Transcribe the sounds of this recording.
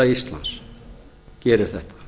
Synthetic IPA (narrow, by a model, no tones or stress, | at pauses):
ɑist̪lɑ̰ns | kiɛɾøθɛht̪ɑ̥